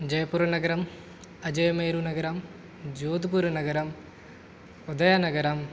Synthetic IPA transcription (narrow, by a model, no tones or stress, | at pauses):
d͡ʑɐjɐpːuɾɐnɐɡɐɾam | ɐd͡ʑɐjɐmeːɾunɐɡɐɾaːm | d͡ʑoːd̪ibuːɾɐnɐɡɐɾaːm | od̪ɐjaːnɐɡɐɾaːm